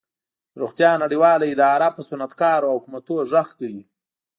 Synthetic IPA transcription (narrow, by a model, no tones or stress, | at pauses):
ɾuxt̪jɑnaɽiwɑlaɪd̪ɑɾapəsʊnat̪kɑɾohʊkumat̪oʒəxkawi